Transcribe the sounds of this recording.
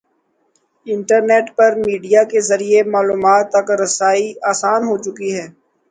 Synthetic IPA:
ɪ̃ɳʈəɾneːʈpɐɾmiːɖijakezɐɾiemaːluːmaːt̪ːɐkɾɐsaːiaːsaːnɦot͡ʃʊkiɦɛː

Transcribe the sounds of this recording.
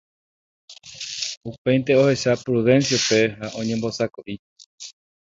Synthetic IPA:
upe̞jnt̪e̞o̞he̞ʃapɾuðẽ̞nsjaupe̞ɦaʔõ̞ɲẽmbo̞sakoʔi

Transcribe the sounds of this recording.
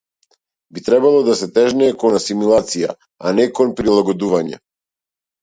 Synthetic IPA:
bit̪ɾɛbalˠɔd̪asɛt̪ɛʒnɛːkɔnasimulˠat̪sija̰ | anɛkɔnpɾilˠaɡɔd̪uvaɲɛ̰

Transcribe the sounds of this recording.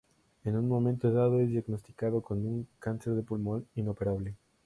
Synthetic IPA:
enuŋmõmẽnt̪oeðaðoezðjaɡnost̪i̥kaðokonuŋkanseɾðepulmõninopeɾaβle

